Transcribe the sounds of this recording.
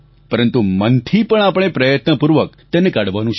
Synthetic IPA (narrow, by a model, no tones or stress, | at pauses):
pəɾənt̪umənt̪ʰipəɳ̃apəɳ̃epɾəjət̪nəpuɾʋək̚ | t̪ɛnekaɽʋanũt͡ʃʰ